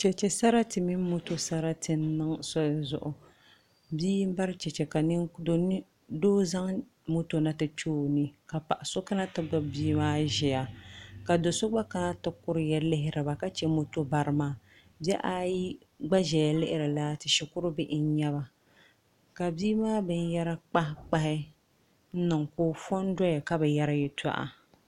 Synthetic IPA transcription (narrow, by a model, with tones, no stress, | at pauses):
t͡ʃɛ˨t͡ʃɛ˨sa˦ɾa˦tɨ˨mi˦m˦mo˦to˦sa˦ɾa˦tʰɨ˦n˦nɨ˦ŋsɔ˦jzʊ̰˨ʔʊ˨ | biː˦m˦ba˦ɾt͡ʃɛ˨t͡ʃɛ˨ka˨nɪ˦do˦n˦ | doː˦za˦ŋ | mo˦to˦na˦tɨ˦t͡ʃoː˦nɨ˦ka˨pa˨ʔa˨so˦ka˦na˦tɨ˦ɡ͡ba˦biː˦maː˦ʒɛ˨ja˨ka˨do˨so˦ɡ͡ba˦ka˦na˦tɨ˦kʊ˦ɾɨ˨jɛ˦lɪ˦ɦɪ˦ɾɨ˨ba˨ka˦t͡ʃɛ˦mo˦to˦ba˨ɾɨ˨maː˦ | bɛ˦ʔa˦ji˦ | ɡ͡ba˦ʒɛ˨ja˨lɪ˦ʔɪ˦ɾɨ˨la˦tɪ˨ʃɛ˨kʊ˦ɾɨ˦bɪ˦ʔɪ˦n˦ɲɛ˦βa˨ | ka˨biː˦maː˦bɨ˦n˦jɛ˦ɾa˦k͡pa˦k͡pa˦hɪ˦ | n̩˦nɨ˨ŋkoː˦fɔ˦n˦dɔ˦ja˨ka˦bɛ˨ja˦ɾa˦jɛ˨ta̰˦ʔa̰˨